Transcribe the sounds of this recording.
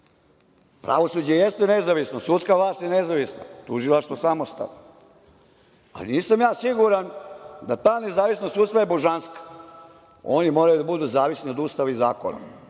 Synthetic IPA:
pɾa̰ʋo̞sud͡ʑejest̪enezaʋisnosut̪skaʋlˠaːst̪jenezaʋisna̰t̪uʒilˠaʃt̪ʋosamost̪a̰ʋno | a̰lḭniːsamjaːsiɡuɾand̪at̪aːnezaːʋisnost̪uːt̪st̪ʋajeboʒanskḁ | onimo̞ɾajud̪abud̪uzaːʋisnio̞d̪ust̪aʋaizaːko̰na̰

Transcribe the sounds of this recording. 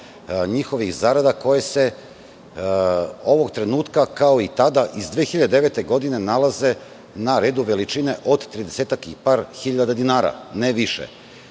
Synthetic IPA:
ɲixo̞ʋixzaːɾad̪ako̞jese̞ | o̞ʋoɡt̪ɾe̞nuːt̪kakao̞it̪ad̪aʔizd̪ʋeːxiʎad̪ed̪eʋet̪e̞ɡo̞d̪inenalaze̞ | naɾeːd̪uʋe̞lit͡ʃineʔo̞d̪t̪ɾid̪eseːt̪atkipaːɾxiʎad̪ad̪inaːɾa̰neʋiʃḛ

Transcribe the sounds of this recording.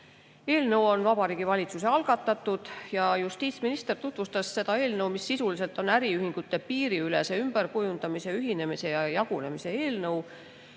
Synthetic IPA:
e̞ːlnɤwo̞nvɑbɑɾiːɡ̥ivɑlʲit̪suse̞ɑlɡ̥ɑt̪ːˑɑt̪ːˑud̪̥jɑjust̪iːt̪sminist̪e̞rt̪ut̪vust̪ɑsːe̞d̪ɑe̞ːlnɤwmisːisulise̞lt̪ˑo̞næɾiyhiŋɡ̥ut̪ːˑe̞piːɾiyle̞se̞ymb̥əɾkujund̪ɑmise̞yɦine̞mise̞jɑjɑɡ̥une̞mise̞e̞ːlnɤw

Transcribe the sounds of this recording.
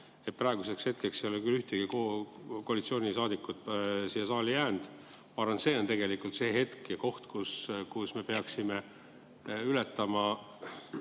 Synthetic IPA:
et̪̚prɑeɡ̥use̞kshe̞t̪̚kekseolekylːyht̪eɡ̥ikokoɑlit̪sio̞ːnʲisɑːd̪ikːˑut̪siːesɑːlijæːnd̪̥ | pɑɾɑnse̞ːo̞nt̪e̞ɡe̞likult̪se̞ːɦe̞t̪kjɑko̞ht̪kuskusme̞pe̞ɑksime | ylet̪ːˑɑmɑ

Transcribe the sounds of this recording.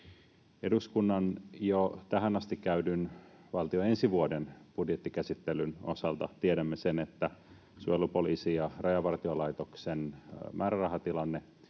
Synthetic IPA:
e̞duskunːɑnjot̪æɦænɑst̪ikkæydyn | ʋɑlt̪ioe̞nsiʋuodenb̥udjet̪ːikæsit̪ːelyno̞̰sɑlt̪ɑ̰t̪ieɾæmːesenet̪ːæ | suelupoliːsijɑrɑjɑʋɑrt̪iolɑjt̪oksenmʔæːɾærɑɦɑt̪ilɑnːe

